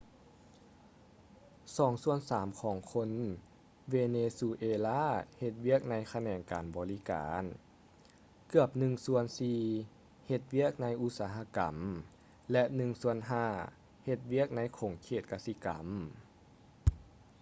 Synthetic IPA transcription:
sɔː˨˩˦ŋsu˧ənsaː˩˦mkʰɔː˨˩˦ŋkʰo˧˥n | weː˧neː˧su˧ʔeː˧laː˧˥˨he˧t̪̚wi˥˩ək̚na˧˥jkʰa˧nɛː˨˩ŋkaː˨nbɔː˨˩li˦ka̰ː˨˦n | kɯ˧˩əp̚nɯ˧ŋsu˧˥ənsiː˧ | he˧t̪̚wi˦˥˩ək̚na˧˥jʔu˧t̪̚saː˨˧˦ɦa˧˥ka̰˨˩m | lɛ˧ʔnɯ˧˩ŋsu˧ənɦaː˧˩ | he˧t̪̚wi˥˩ək̚na˧˥jkʰoː˨˦ŋkʰeː˧˩t̪̚ka˧˥si˧ka̰˨˩m

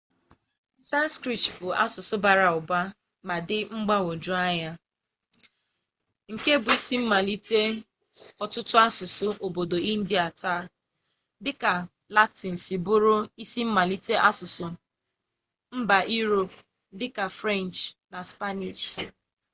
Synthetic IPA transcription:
sa˦n˦skɾi˨tbʊ˨ʔa̰˦sʊ˨sʊ˦ba˨ɾa˨ʊ˨ba˦ | ma˨dɪ˦ŋ͡m̩˦ɡ͡ba˦o˨d͡ʒu˦a˦ja˦ | ŋ̩˨ke˦bʊ˨i˦si˦m̩˦ma˨li˦te˦ | ɔ˨tʊ˦tʊ˦a˦sʊ˨sʊ˨ʔo˨bo˨do˨i˦n̩˦di˨a˨tʰa˦˨ | dɪ˦ka˨ | la˦tɪ˨n̩˨si˨bʊ˦ɾʊ˦i˦si˦m̩˦ma˨li˦te˦ʔa˦sʊ˨sʊ˨ | m̩˦ba˨ʔi˦ɾo˨p | dɪ˦ka˨fɾa˦˨nt͡ʃna˨spa˦ni˨ʃ

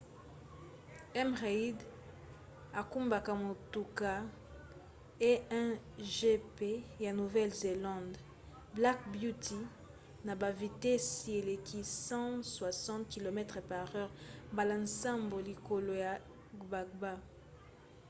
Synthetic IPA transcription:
ɛ˦mʁa˨i˦d | a˨ku˦mba˨ka˨mo˨tu˨ka˦ | e˦ɛ˦ʒe˦pe˦ja˨nu˨vɛ˦lze˨lɑ̃˦nd | bla˦kbju˦ti˨ | na˨ba˨vi˨tɛ˦si˨e˨le˨kʰi˦sɑ̃˦swa˨sɑ̃˦tki˨lo˨mɛ˦tʁɛ˨pa˨ʁœ˦ʁmba˨la˨nsa˦mbo˨li˨ko˨lo˨ja˨ | ba˨k̚ba˦

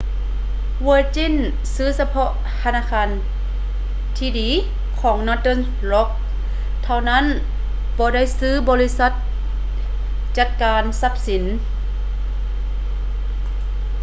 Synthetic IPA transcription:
wɤː˧t͡ɕi˧˥˨n | sɯː˧˥sa˧pʰɔ˧ʔ | t̪ʰa˧naː˧˨kʰaː˧n | t̪ʰiː˧diː˨˦ | kʰɔː˩˦ŋnɔː˧t̪ɤ˧˥˨n | lɔ˧˦˥k̪̚ʰ | a˧˩wna˦˥˨n | bɔː˧˦da˥˩˨jsɯː˧˥˨bɔː˧li˦˧˥sa˧˦t̪̚ | t͡ɕa˧˥t̪̚kaː˨˧nsa˧˥p̚si˨˩˦n

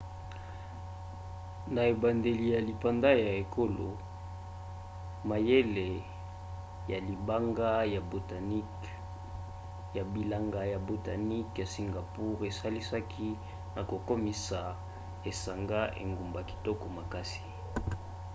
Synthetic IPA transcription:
na˨e˨ba˨nde˨li˨ja˨li˨pa˨nda˦ja˨e˨ko˦lo˨ | ma˨je˦le˨ | ja˨li˨ba˦ŋɡa˦ja˨bo˨ta˨n˦ | ja˨bi˨la˦˨ŋɡa˨ja˨bo˨ta˨ni˦kja˨si˨ŋɡa˨pu˦ʁe˨sa˦li˦sa˦kʰi˦ | na˨ko˨ko˦mi˨sa˨ | e˨sa˨ŋɡa˦ʔḛ˨ŋɡu˨mba˨ki̥˨tɔ˦kɔ˨ma˨ka˦si̥˨

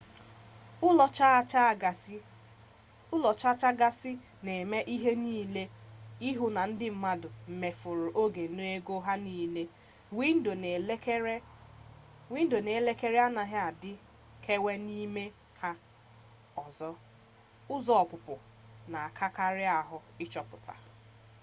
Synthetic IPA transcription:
ʊ˦lt͡ʃa˦t͡ʃ | ʊ˦lɔ˨t͡ʃa˦t͡ʃa˦ɡa˦sɪ˦ | ne˨me˦ʔi˦ɦe˦niː˦le˦i˦ɦʊ˨na˨n̩˦dɪ˦m̩˨ma˦dʊ˨m̩˨me˨fʊ˨ɾʊ˨ʔo˦ɡe˨˦no˦e˦ɡo˦ɦa˦niː˦le˦ | wi˦n̩˦o˨n˨˦ | wi˦n̩˦do˨ne˨˦le˦ke˦ɾe˦a˦na˨ɦɪ˦a˨dɪ˦ | kʰe˦we˦ni˦me˦ | kʰa˦ | ɔ˨zɔ˦ | ʊ˦zɔ˦ɔ˨kʊ˨pʊ˨ | na˨a˨kʰa˦ka˦ɾɪ˦a˨ɦʊ˨ɪ˦t͡ʃɔ˦pʊ˨ta̰˨

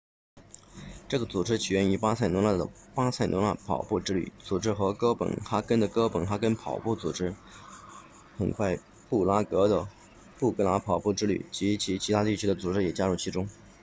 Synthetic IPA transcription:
ʈ͡ʂɤ˥˩ɡə˩t͡su˨˩ʈ͡ʂɻ̩˥t͡ɕʰi˨˩ɥɛ˥ny˧˥pa˥sa˥˩ɪnʊ˧˥ŋla˥˩d̪ə̰˩ | pa˥sa˥˩ɪnʔŋla˥˩pʰɑ̰˨˩ʊpu˥˩ʈ͡ʂɻ̩˥ly̰˥˩t͡su˨˩ʈ͡ʂɻ̩˥xɤ˧˥kɤ˥pə̰˨˩nxa˥kə˥nd̪ə˨kɤ˥pə˨˩nxa˥kə˥npʰɑ˨˩ʊpu˥˩t͡sṵ˨˩ʈ͡ʂɻ̩˥ | xə̰˨˩nkʰwa˥˧ɪ | pu˥˩la˥kɤ˧˥d̪ə˧ | pu˥˩kɤ˥la˧˥pʰɑ˨˩ʊpu˥˩ʈ͡ʂɻ̩˥ly̰˥˩t͡ɕi˧˥t͡ɕʰi˧˥t͡ɕʰi˧˥t̪ʰa˥t̪i˥˩t͡ɕʰy˥d̪ə˨t͡su˨˩ʈ͡ʂɻ̩˥jɛ˨˩t͡ɕja˥ɻu˥˩t͡ɕʰi˧˥ʈ͡ʂʊ˥ŋ

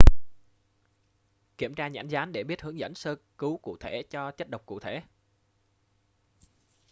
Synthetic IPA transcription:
ki˧˩əmt͡ɕaː˧ɲa̰˧˩nzaː˨˦nɗe˧˩ɓi˦˥ət̚hɨ˨˦əŋzə̰˧˥˨nsəː˧kɨ˨˦kṵ˧˨t̪ʰe˧˩t͡ɕɔ˧t͡ɕə˦˥t̚ɗə˨˩wk͡p̚kṵ˧˨t̪ʰe˧˩˨

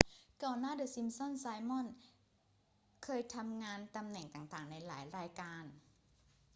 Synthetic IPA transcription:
ka˧˩wnaː˥˨dɤː˧˩si˧msɔ˥˨nsaː˧jmɔ˥˨n | kʰɤː˧jt̪ʰa˧mŋaː˧nt̪a˧mnɛ˨˩ŋt̪aː˨˩ŋt̪aː˨˩ŋna˧jla̰ː˩˦jɾaː˧jkaː˧n

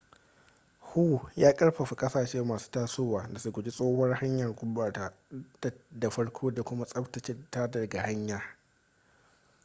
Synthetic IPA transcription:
hu˦˨jaː˦kʼɐ˦ɽɸɐ˨ɸi˨kʼɐ˦saː˨ʃeː˦maː˨su̥ː˦taː˦soː˦waː˨da˨su˦ɡʷʊ˨d͡ʒi˦sʼoː˦hɔ˦rha˦ɲjɐ˨rɡʷʊ˦baː˨taː˦dda˨ɸɐ˦ɽkʷʰoː˦da˨kʷʊ˦ma˦sʼɐ˦ɸtɐ˨t͡ʃe˦taː˦dɐ˨rɡa˨ha˦ɲjaː˨

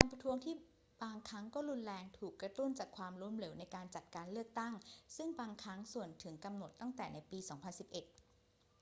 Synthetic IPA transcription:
kaː˧npɾa˧t̪ʰu˦˥əŋt̪ʰiː˥˩ | baː˧ŋkʰɾa˦˥ŋkɔː˥˩ɾu˧nlɛː˧ŋt̪ʰuː˨˩kːɾa˧t̪u˥˩nt͡ɕaː˨˩kʰwaː˧mɾu˧˩əmle˩˦wna˧jkaː˧nt͡ɕa˨˩t̪̚kaː˧nlɯ˥˩ək̚t̪a˥˩ŋsɯ˥˩ŋbaː˧ŋkʰɾa˦˥ŋsu˨˩ənt̪ʰɯ˩˦ŋka˧mno˨˩t̪ːa˥˩ŋt̪ɛː˨˩na˧˥jpiː˧sɔː˩˦ŋpʰa˧nsi˨˩p̚ʔe˨˩t̪̚

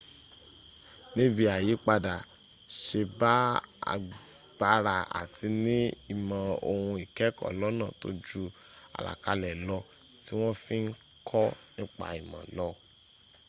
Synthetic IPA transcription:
nĩ˦bi˧a˨ji˨˦k͡pa˧da˨ | ʃe˧ba˦a̰˧ | ɡ͡ba˦ɾa˧a̰˨ti˧nĩ˦i˨mã˨o̰˧hũ˧i˨kɛ˨˦kɔ̰˦˨lɔ˨˦nã˦˨to̰˦d͡ʒu˦ | a̰˨la̰˨ka˨˧lɛ˨lɔ˧ | ti˦w̃ɔ̃˦fĩ˦n̩˦ | kʰɔ˦nĩ˦k͡pa̰˧˨i˨mã̰˨lɔ˧˦

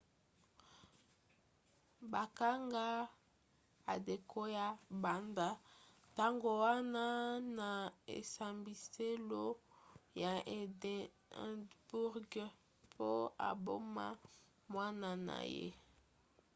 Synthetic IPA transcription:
ba˨ka˦ŋɡa˦ | a˨de˨ko˦ja˦ba˨nda˦ | ta˦ŋɡo˨wa˦na˦na˨ḛ˨sa˨mbi˨se˦lo˦ja˨d | bu˦ʁɡ | pʰo˦a̰˨bo˦ma̰˦ | mwa˦na˦na̰˨jḛ˦

